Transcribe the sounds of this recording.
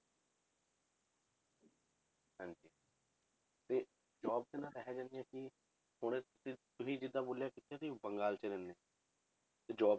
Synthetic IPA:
hãːɲd͡ʒiː | t̪eː | d͡ʒɔːb̚t̪enãːɾɛɦɛːd͡ʒãːnd̪ɪjãːkɪ | hʊɽ̃eːt̪ʊsĩːt̪ʊsĩːd͡ʒɪd̪ãːboːljaːkɪt̪ːaːt̪ibəŋɡaːlt͡ʃəɾenːeː | t̪eːd͡ʒɔː

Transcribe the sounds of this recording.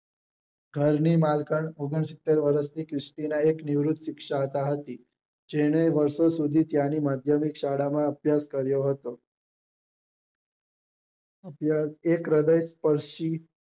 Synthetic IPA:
ɡʱəɾniːmalkəɳoɡəɳsit̪ːəɾʋəɾəst̪iːkɾisʈinaekniʋɾut̪ʰʃikʂat̪aɦət̪iː | d͡ʒeɽ̃eʋəɾsosud̪ʱiːt̪janiːmad̪ʱjəmikɕaɽamaəbjaskəɾjoɦət̪o | əbʱjaekɾəd̪əjspəɾʂiː

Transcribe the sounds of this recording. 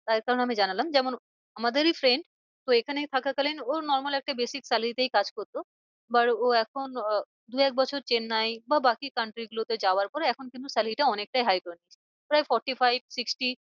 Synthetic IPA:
t̪aɾkaɾoneamid͡ʑanalamd͡ʑɛmon | amad̪eɾifɾeɳɖ | t̪oekʰanet̪ʰakʰakalinonɔɾmalɛk̚ʈabesiksalit̪ejkad͡ʑkoɾt̪o | baɾoɛkʰon | d̪uɛk̚bɔt͡ɕʰoɾt͡ɕenːajbabakikaɳʈɾiɡulot̪ed͡ʑaoaɾpɔɾeɛkʰonkint̪usaliʈaɔnek̚ʈajɦajkoenit͡ɕʰ | pɾajfɔɾʈifajb̚siksʈi

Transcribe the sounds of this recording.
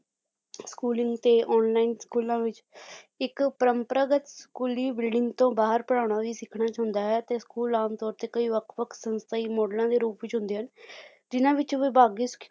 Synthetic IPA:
skuːlɪ̃ŋɡt̪eːʔɔːnlaːinskuːlãːʋɪt͡ʃɪkpəɾəmpɾəɡət̪skuːliːbɪlɖɪ̃ŋɡt̪õːbaːɦəɾpəɽ̃aːʊɳaːʋiːsɪkʰɽaːt͡ʃaɦʊnd̪aːɦɛːt̪eːskuːlaːmt̪ɔːɾt̪eːkəiːʋəkʰʋəkʰsə̃nst̪ʰaiːmɔːɖlãːd̪eːɾuːpʋɪt͡ʃɦʊ̃nd̪eːɦən | d͡ʒɪnãːʋɪt͡ʃʋeːbaːɡiːs

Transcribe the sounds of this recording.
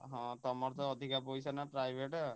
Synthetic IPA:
ɦɔ̃t̪ɔmɔɾt̪ɔːd̪ʱikapɔjsanapɾajbʱeʈ

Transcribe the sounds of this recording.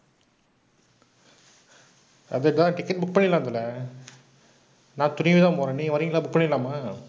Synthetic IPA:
ɐ̰ðɐʈːt̪ãːʈɪkːɐʈ̚bʊk̚pɐɳːɪlːaːnd̪ɐlɐ | nãːt̪ʊnɪʋiðãːpoːɾɐniʋɐɾɪŋɡɐlaːbʊk̚pɐɳːɪlːaːmaː

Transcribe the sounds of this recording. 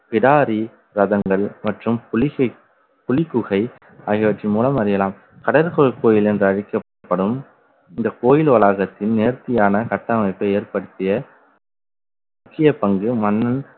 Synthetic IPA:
pɪɽaːɾi | ɾɐðɐŋɡɐɭmɐʈrɯmplɪɐ | pʊlɪkːʊɣɐɪ | ɐɣɪʋɐʈrimuːlɐmɐɾɪjɐlaːm | kɐɽɐɾkoɭkoːjɪlɛndrɯɐɻɪkːɐ | pːɐɽɯm | ɪnd̪ɐkoːjɪlʋɐlaːɣɐt̪ːɪnneːɾt̪ɪjaːnɐkɐʈːɐmɐɪpːɐeːɾpɐɽɯt̪ːɪjɐ | mʊkːɪjɐpɐŋɡɯmɐnːɐn

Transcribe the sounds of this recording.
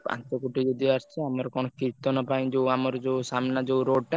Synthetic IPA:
pã̰t͡ʃɔkuʈid͡ʒod̪iaɾt͡ʃʰeamɔɾkɔñɔkiɾt̪ɔnɔpaj̃d͡ʒeuamɔɾɔd͡ʒeusamnad͡ʒewɾoɖʈa

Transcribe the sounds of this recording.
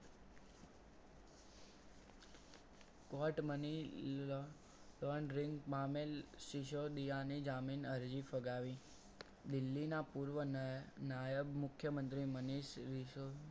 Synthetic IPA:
kɔʈməni | lɔɳɾɪŋɡmamelʃiʃod̪ijanid͡ʒaminəɾd͡ʒifəɡaʋĩ | d̪ɪlːinapuɾʋənajəbmʊkʰːjəmənt̪ɾiməniʃɾio

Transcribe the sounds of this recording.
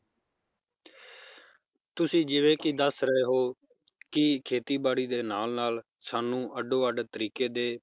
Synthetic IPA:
t̪ʊsĩːd͡ʒɪʋẽːkid̪əsɾəɦeːɦoː | kɪkʰeːt̪iːbaːɽiːd̪eːnaːlnaːl | saːnũːʔəɖoːəɖt̪əɾiːkeːd̪eː

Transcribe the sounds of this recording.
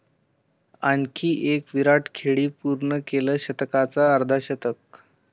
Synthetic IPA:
ankʰiːʔekʋiɾaʈkʰeɭiːpuɾɳəkeləːɕət̪kat͡saəɾd̪ʱaɕət̪ək̚

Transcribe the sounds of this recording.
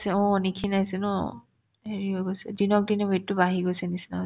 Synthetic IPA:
sɛɔ̃nikʰinajsɛnɔ | eɹiɔɡojsɛ̰dinɔk̚dinɛbetːʊbaɦiɡojsɛnisina

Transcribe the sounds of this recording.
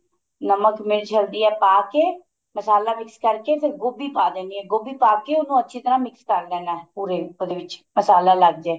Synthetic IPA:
nəməkmeːɾt͡ʃʰəld̪iːɛːpaːkeː | məsaːlaːmɪkskəɾkeːpʰɪɾɡʊbiːpaːd̪ẽːniːɛːɡʊbiːpaːkeːʊnũːətːʃʰiːt̪əɾãːmɪkskəɾlɛːnaːɦɛːpuːɾeːod̪eːʋɪt͡ʃməsaːlaːləɡ̚d͡ʒɛː

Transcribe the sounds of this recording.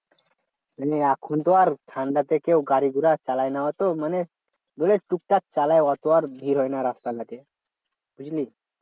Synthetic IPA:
nəeakʰunt̪ɔaɾt̪ʰãnd̪at̪ekewɡaɾiɡʱuɾat͡ɕalajnaʋat̪oməne | d̪oleʈuk̚ʈat̪̚t͡salajʋat̪ɔaɾb̪ʱiːɾɦojnjaɾast̪alat̪e | b̥ʱud͡ʑliː

